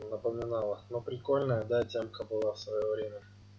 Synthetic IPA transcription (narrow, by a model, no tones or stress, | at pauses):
nəpəmʲɪnalˠənopɾʲɪko̞lʲnəjəd̪atʲemkabɨlˠafsvɐjovɾʲemʲə